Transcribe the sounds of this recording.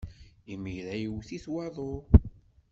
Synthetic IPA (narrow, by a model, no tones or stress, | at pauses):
imiɾæjiwθiθwɑðˤoɾ